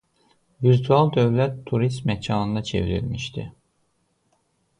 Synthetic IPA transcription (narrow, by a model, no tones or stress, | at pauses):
viɾt̪ʰualˠd̪øvlæt̪ʰːuɾist̪mɛcʰɑːnɯnd̪ɑt͡ʃʰḛviɾḭlmiʃt̪ʰḭ